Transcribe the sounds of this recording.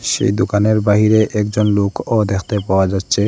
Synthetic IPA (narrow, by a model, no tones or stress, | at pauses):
ʃḛjd̪okaneɾbaɦiɾeʔɛk̚d͡ʑonlokʰɔd̪ɛkʰt̪epaoad͡ʑat̪ːɕʰe